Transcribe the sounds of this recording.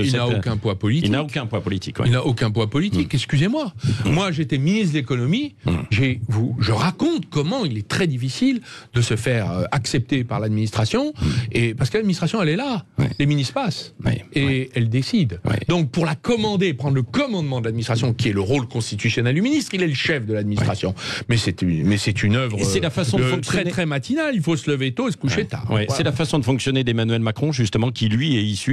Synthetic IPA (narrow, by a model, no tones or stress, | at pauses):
ilnaokʲɛ̃pwãpɔlitinaokɛ̃pwɛ̃pɔlit̪ikilnaʔokʲɛ̃pwãpɔlit̪ikɛkskʲyzemwamwaʒet̪ɛminizd̪əlekɔnɔmiʒevuʒəʁakɔ̃t̪kɔmɑ̃ilɛt̪χɛd̪ifisild̪əsəfɛʁøaksɛp̚t̪epaʁlad̪minist̪χasjɔ̃epaʁsəkəlad̪minist̪χasjɔ̃ɛlɛla̰leminispaseɛld̪esid̪wḭd̪ɔ̃k̚puʁlakɔmɑ̃d̪eːpχɑ̃d̪ʁləkɔmɑ̃d̪mɑ̃d̪əlad̪minist̪χasjɔ̃kʲiɛləʁolkɔ̃st̪it̪ysjɔnɛld̪yminist̪χilɛləʃɛfd̪əlad̪minist̪χasjɔ̃mɛsɛt̪ymɛsɛt̪ynœvʁsɛlafasɔ̃dəɔ̃kst̪ɛχɛmat̪inalilfosələvet̪oesə̥kuʃet̪a̰ːʁwḭsɛlafasɔ̃d̪əfɔ̃ksjɔned̪emanɥɛlmakχɔ̃ʒyst̪əmɑ̃kʲilɥiɛisy